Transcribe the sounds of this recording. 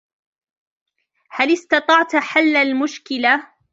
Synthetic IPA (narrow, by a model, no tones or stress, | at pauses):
halɪst̪ɑt̪ˤɑʕt̪ħalːalmʊʃkɪla